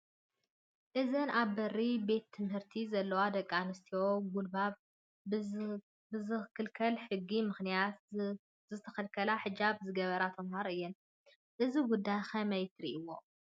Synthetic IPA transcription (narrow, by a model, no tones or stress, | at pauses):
ʔɨzɨnaβːɐribe̞t̪ʰːɨmhɨɾt̪ʰizɐlːɐwad̪ɐkʼːanɨst̪ʰioɡulbaβ | bɨzɨkʰɨlkʰɐlħɨɡːimɨxnijat̪ | zɨt̪ʰːɐxɐlkʰɐlaħɨd͡ʒaβzɨɡɐβɐɾat̪ʰɐmhaɾʔɨjːɛn | ʔɨziɡud̪ːajxɐmɐjt̪ʰɾḭʔɨwːo̞